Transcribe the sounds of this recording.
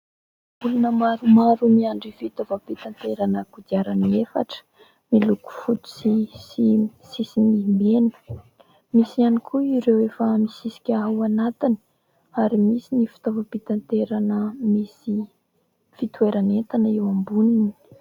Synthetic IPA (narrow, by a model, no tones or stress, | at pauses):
ulunəmaɾumaɾumiaɳɖ͡ʐifit̪ovapit̪ant̪eɾanəkud̪iaɾaniefa̰ʈ͡ʂə̥ | miluku̥fut̪u̥sisisisimimeni̥ | misianikʰuiɾewefəmisisi̥kʲaawanat̪ini̥ | aɾimisinifi̥t̪ovapit̪ant̪eɾanəmisi | fit̪ueɾanent̪anəewambunini̥